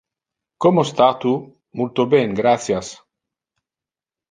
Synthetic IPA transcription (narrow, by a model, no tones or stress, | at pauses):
komost̪at̪u | mult̪obeŋɡɾat̪sjas